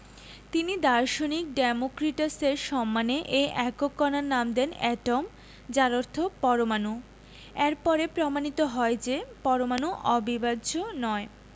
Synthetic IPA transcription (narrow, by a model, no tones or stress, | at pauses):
t̪inid̪aɾʃonik̚ɖemokɾiʈaseɾʃɔmːaneʔeʔɛkokːɔnaɾnamd̪ɛnɛʈom | d͡ʑaɾoɾt̪ʰopɔɾomanu | eɾpɔɾepɾomanit̪oɦɔed͡ʑepɔɾomanuʔɔbibadd͡ʑonɔe